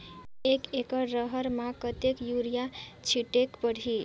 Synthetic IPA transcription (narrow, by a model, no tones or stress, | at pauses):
ekekəɾəɦəɾmãkət̪ekjuɾijat͡ʃʰiʈekpəɽ̤i